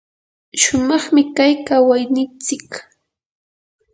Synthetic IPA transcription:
ʃʊmɑχmɪkajkawajnɪnt͡sɪk

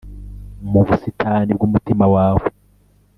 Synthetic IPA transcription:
muβusitʰaːnib̚ɡumutimawaːβo

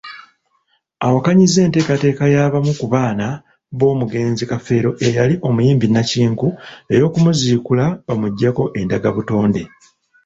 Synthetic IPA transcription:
awakaɲize̞ːnte̞ːkate̞ːkajaːβamukuβaːna | βo̞ːmuɡe̞ːnzikafe̞ːɾo̞ʔejaliʔo̞mujiːmbinaciːŋkue̞jo̞ːkumuziːkulaβamuɟːako̞ʔe̞ndaɡaβuto̞ːnde̞

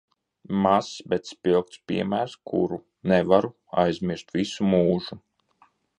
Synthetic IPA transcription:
masbɛt̪spʲilˠk̚t̪spʲḭɛmæːɾskʰṵɾu | nɛvaɾu | a̰jzʲmʲiɾst̪visumuːʒu

